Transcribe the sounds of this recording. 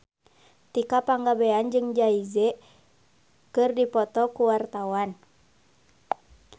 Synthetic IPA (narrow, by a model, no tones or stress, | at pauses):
t̪ikapaŋɡabeand͡ʒɨŋd͡ʒaizɛ | kɨrdipɔt̪ɔkuwart̪awan